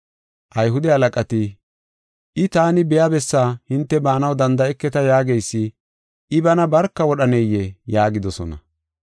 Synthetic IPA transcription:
ʔɐjɦʊd̪ɛhɐlɐkʼɐt̪ɪ | ʔɪt̪aːnɪbɛjabɛsːaːhɪnt̪ːɛbaːnɐwd̪ɐnd̪ɐɛkːɛt̪ɐjaːɡejsːɪ | ʔɪbɐnɐbɐɾkːɐwɔɗɐnejɛjaːɡɪd̪ɔsɔ̰nɐ̰

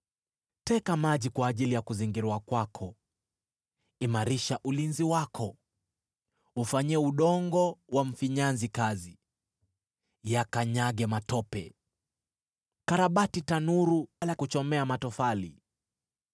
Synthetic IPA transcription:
tɛkamaʄikwaːʄilijakuziŋɡiɾuakwakʰɔ | imaɾiʃaʔulinziwakʰɔ | ufaɲiɛuɗɔŋɡɔwam̩fiɲanzikazi | jakaɲaɠɛmatɔpɛ̰ | kaɾaɓatitanuɾualakut͡ʃɔmɛamatɔfali

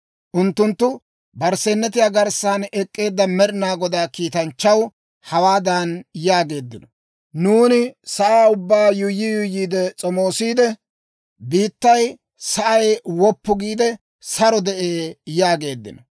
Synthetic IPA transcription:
ʔʊnt̪ːʊnt̪ːʊ | bɐɾsɛnːɛt̪ɪjaːɡɐɾsaːnɛkʼːe̞ːd̪ːɐmɛɾɪnaːɡɔd̪aːkiːt̪ɐnt͡ʃːɐw | hɐwaːd̪ɐnjaːɡe̞ːd̪ːɪnɔ | nuːnɪsɐʔaːʊbːaːjʊjːɪjʊjːiːd̪ɛt͡sʼɔmoːsiːd̪ɛ | biːt̪ːɐj | sɐʔɐjwɔpːʊɡiːd̪ɛ | sɐɾɔd̪ɛʔeːjaːɡe̞ːd̪ːɪ̰nɔ

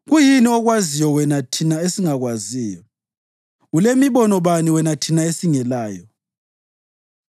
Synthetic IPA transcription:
ɣujiniɔɣwazijɔwɛnatʰinaesiŋaɣwaziːjɔ | ɣulemiβɔnɔβaniwɛnatʰinaesiŋɛlaːjɔ

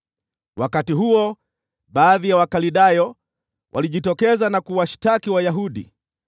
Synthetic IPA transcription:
wakatiɦuɔ | ɓaːðijawakaliɗajɔ | wʔa̰liʄitɔkɛzanakuwaʃtakiwajaɦuɗḭ

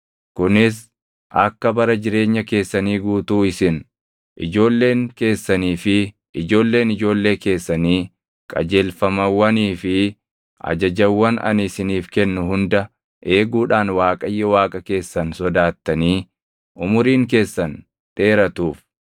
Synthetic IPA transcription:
kʊnɪs̬ | ʔɐkːɐbɐɾɐd͡ʒɪɾe̞ːɲːɐke̞ːsːɐniːɡuːt̪uːɪsɪn | ʔɪd͡ʒo̞ːlːe̞ːŋke̞ːsːɐniːfɪ | ʔɪd͡ʒo̞ːlːe̞ːnɪd͡ʒo̞ːlːe̞ːke̞ːsːɐniː | kʼɐ̰d͡ʒe̞ːlfɐmɐwːɐniːfɪ | ɐ̰d͡ʒɐd͡ʒɐwːɐnɐ̰nɪsɪniːfkɛnːʊɦʊnd̪ɐ | ʔe̞ːɡuːᶑaːnwaːkʼɐjːɛwaːkʼɐke̞ːsːɐnsɔd̪aːt̪ːɐniː | ʔʊmʊɾiːŋke̞ːsːɐn | ᶑ̪ʼe̞ːɾɐt̪uːf

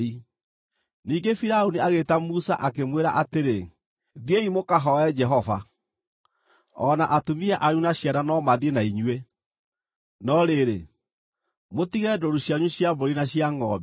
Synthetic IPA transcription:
i | niːɡefiɾaoniaɣetamusaʔakemweɾaʔateɾe | ðieimokaɦɔɛd͡ʒɛɦɔva̰ | ɔnaʔatomiɛʔaɾunaɕjananɔmaðienaiɲwe | nɔɾeɾe | motiɣɛdoɾuɕjaɲweɕjaboɾinaɕjaŋɔb

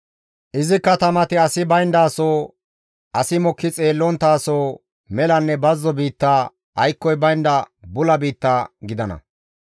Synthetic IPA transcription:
ʔɪzɪkːɐt̪ɐmɐt̪ɪɐsɪbɐjnd̪aːsoː | ʔɐsɪmɔkːɪt͡sʼe̞ːlːɔnt̪aːsoː | mɛlɐnːɛbɐzːɔbiːt̪ːaː | ɐjkːɔjbɐjnd̪ɐbʊlɐbiːt̪ːaːɡɪd̪ɐnɐ̰

